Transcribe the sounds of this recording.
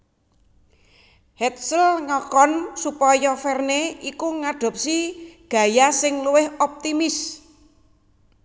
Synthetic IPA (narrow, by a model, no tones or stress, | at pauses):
hɛt̪̚səlŋɔkɔnsupɔjɔfɛrneikuŋaɖ̥ɔ̤p̚siɡ̥ä̤jasɪŋluwɪɦɔp̚t̪imɪs